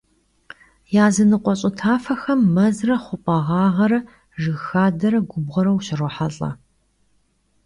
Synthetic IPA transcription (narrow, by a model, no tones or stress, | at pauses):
jaːzɨnɨqʷʼɔɕʼɪtʰaːfɐxɐmːɐzrɐχʷʊpʼɐʁɑːʁɐɾɐ | ʒɨxaːdɐɾɐɡʷʊbʁɐɾɐwʃɕɐroħaɬʼɐ̰